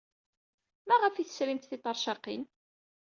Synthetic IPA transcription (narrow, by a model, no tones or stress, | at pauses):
mæʁəfiθə̥sɾimt̪θit̪ˤːɑɾˤʃɑqḭn